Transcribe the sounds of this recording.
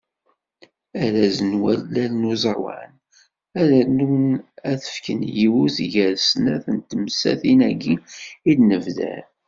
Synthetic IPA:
æɾæzənwælːælnuzˤɑwɑ̰n | æɾænunæθə̥fkənjiwuziʝæɾsnæθənt̪əmsæ̰θinæɡiidnəvðæ̰ɾ

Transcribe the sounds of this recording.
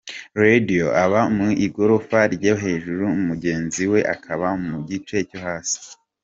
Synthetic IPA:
ɾedioʔaβaumiʔiɡo̞ɾofaɾɟoɦe̞ːʒuɾuumuɟe̞ːnziwe̞ʔa̰kʰaβamuɟit͡ʃe̞co̞ɦaːsi̥

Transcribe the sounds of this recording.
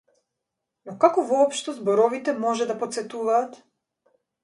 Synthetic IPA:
nɔkakɔvɔːpʃt̪ɔzbɔɾɔvit̪ɛmɔʒɛd̪apɔt̪sɛt̪uvaːt̪

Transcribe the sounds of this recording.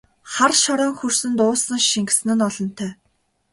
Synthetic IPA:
χarʃɔɾɔːŋxursɘ̆nt̪ʊːsə̆ŋʃiŋɡ̆sɘ̆nɘ̆nɔɮɞ̆n̥t̪ʰœː

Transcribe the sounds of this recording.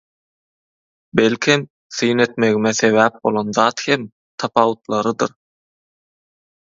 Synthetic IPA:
be̞lkʰʲem | θɯjne̞t̪me̞ɣimeθe̞βæːp̚bo̞̰lˠonðɑːt̪hem | t̪ʰɑpʰɑwut̪lˠɑɾɯd̪ɯɾ

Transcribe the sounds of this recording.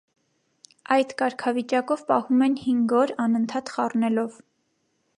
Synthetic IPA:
ɑjd̪̥kɑɾkʰɑvit͡ʃɑkɔvpɑhumɛnhiŋɡɔɾɑnənt̪ʰɑt̪χɑrnɛlɔv

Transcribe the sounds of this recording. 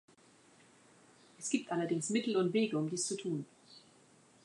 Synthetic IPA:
ʔɛsɡ̥iːp̚tʔalɐdɪŋsmɪtl̩ʊntv̥eːɡəʊmdiːst͡sutʰuːn

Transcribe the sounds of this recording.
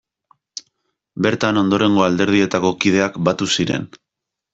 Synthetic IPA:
be̞ɾt̪ano̞nd̪o̞ɾe̞ŋɡo̞ald̪e̞ɾð̞ie̞t̪ako̞kið̞e̞akbat̪usiɾe̞̰n

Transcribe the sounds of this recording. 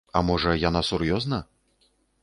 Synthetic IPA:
ɐ̰mɔʐɐjanasurjɔznɐ

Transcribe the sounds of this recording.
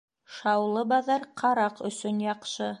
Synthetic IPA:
ʃɑwlˠɤbɑðɑɾqʰɑɾɑqɵ̰̆sɵnjɑqʃɤ

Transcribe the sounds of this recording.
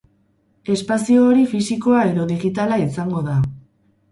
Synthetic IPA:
e̞spasio̞ːɾifisiko̞ae̞ðo̞ðiɣit̪alaisaŋɡo̞ða

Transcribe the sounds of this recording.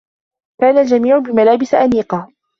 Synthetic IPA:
kaːnald͡ʒamiːʕʊbɪmalaːbɪsʔaniːqɑː

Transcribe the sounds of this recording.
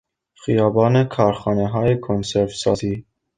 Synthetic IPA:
xijɒːbɒːnekʰɒːɾxɒːneɦɒːjekʰonseɾvsɒːziː

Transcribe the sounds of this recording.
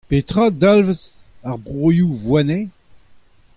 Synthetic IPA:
pet̪χad̪alvəz | aʁbʁojuvwane

